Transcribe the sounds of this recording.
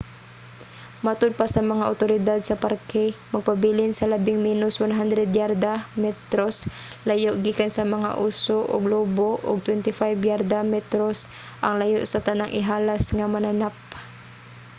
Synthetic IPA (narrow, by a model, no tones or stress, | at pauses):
mat̪ʊd̪̚pasɐmɐŋaʔʊt̪oɾɪd̪ad̪̚sɐpaɾkɛmɐɡ̚pabiːlɪnsɐlɐbɪŋminʊswanɦand̪ɾɛd̪jaɾd̪amɛt̪ɾos | lajoʔɡiːkansɐmɐŋa̰ʔuːsoʔʊ̰ɡloːboʔʊ̰ɡ̚t̪wɛnt̪ɪfajbjaɾd̪amɛt̪ɾos | ʔɐŋlajoʔsɐt̪ɐnaŋʔɪɦaːlasŋamɐnanap̚